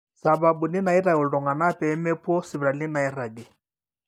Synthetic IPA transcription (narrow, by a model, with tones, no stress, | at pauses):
sa˨ba˨bu˨nɪ˦na˨ɪ˦ɾa˨ʊ˨ldɔ˨ŋa˨na˦pɛ˨˦mɛ˦pwɔ˦sɪ˨bɾa˨lɪ˦na˨ɪ˦ra˨ɡɪ˨